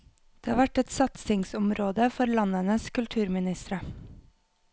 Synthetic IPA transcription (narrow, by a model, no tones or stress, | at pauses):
d̪̥eːhɑːʋæʈɛt̪sɑt̪sɪŋsʊmɾoːd̪əfɔɾlɑnənəskʉlt̪ʰʉːɾmɪnɪst̪ɾə